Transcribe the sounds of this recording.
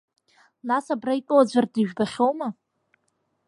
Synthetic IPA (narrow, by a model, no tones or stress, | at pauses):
nasabraitʷʼowad͡ʒʷardɨʒᶣbaχʲowma